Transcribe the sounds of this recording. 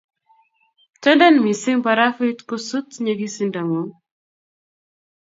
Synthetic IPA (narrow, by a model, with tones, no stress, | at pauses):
t͡ʃɛ˦nda˦nmi˨sɪ˦ŋpa˨ɾa˦fi˦tku˦su˦tɲeɡi˦sinda˨ŋo˨